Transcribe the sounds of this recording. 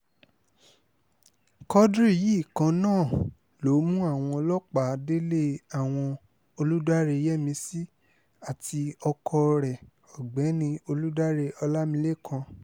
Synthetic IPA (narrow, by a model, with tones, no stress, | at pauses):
kɔ˦dɾi˦˨ji˨˦˨kã˧nãː˦˨ | lo˨˦mũ˦a˦˨w̃ɔ̃˧ɔ˧lɔ˦k͡pa˨˦de˦le˦a˦˨w̃ɔ̃˧ | o˧lu˦da˦ɾe˧˦jɛ˦mĩ˧si˦ | a˦˨ti˧ɔ˧kʰɔ˧ɾɛ˨ | ɔ˨ɡ͡bɛ˨˦nĩ˧o˧lu˦da˦ɾe˧ɔ˧la˦mĩ˧le˦kʰã˧